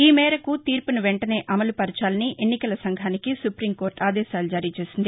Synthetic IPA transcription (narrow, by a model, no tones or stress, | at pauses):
iːmɛːɾɐkut̪iːɾpunuʋeɳʈɐne̞ːʔɐmɐlupɐɾɐt͡ʃaːlɐniʔenːikɐlɐsɐŋɡʱaːnikisupɾiːmko̞ːɾʈaːd̪ɛːʃaːlud͡ʒaːɾiːt͡ʃe̞ːsind̪i